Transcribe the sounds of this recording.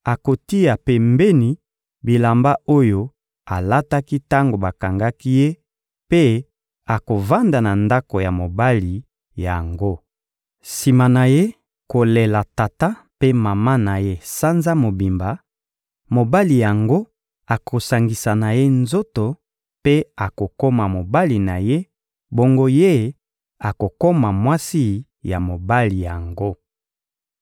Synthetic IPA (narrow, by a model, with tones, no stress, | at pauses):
a˨ko˨ti˦a˨pe˨mbe˦ni˨ | bi˨la˨mba˦o˦jo˦ | a˨la˦ta˦ki˦ta˦ŋɡo˨ba˨ka˨ŋɡa˦ki˦je˦ | pe˦ | a˨ko˨va˦nda˨na˨nda˦ko˨ja˨mo˨ba˦li˨ | ja˨ŋɡo˦ | si˨ma˨na˨je˦ | ko˨le˨la˨ta˨ta˦ | pe˦ma˨ma˦na˨je˦sa˦nza˦mo˨bi˨mba˨ | mo˨ba˦li˨ja˨ŋɡo˦ | a˨kʰo˨sa˨ŋɡi˨sa˨na˨je˦nzo˦to˨ | pe˦a˨ko˨ko˦ma˨mo˨ba˦li˨na˨je˦ | bo˦ŋɡo˦je˦ | a˨ko˨ko˦ma˨mwa˦si˦ | ja˨mo˨ba˦li˨ja˨ŋɡo˦